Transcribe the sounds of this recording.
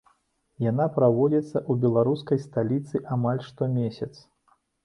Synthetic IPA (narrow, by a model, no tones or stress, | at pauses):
janapɾavɔd͡zʲit̪sːɐʔubʲɛlˠaɾuskɐjst̪alʲit̪sɨʔamalʲʂt̪ɔmʲesʲɐt̪s